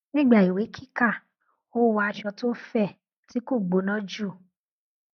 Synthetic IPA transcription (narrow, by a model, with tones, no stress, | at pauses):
nĩ˦˨ɡ͡ba˨i˨we˨˦kʰi˦ka˦˨ | o˦˨wa˧a˧ʃɔ˧to˦fɛ˦˨ | ti˨˦ko˦˨ɡ͡bo˨˦nã˦d͡ʒu˦˨